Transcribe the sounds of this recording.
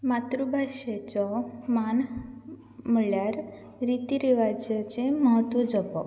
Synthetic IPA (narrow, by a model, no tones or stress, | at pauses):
mat̪ɾubʱaɕet͡sɔman | məɭjaɾ | ɾit̪iɾiʋad͡zjat͡seməɦət̪ʋəd͡zɔpɔ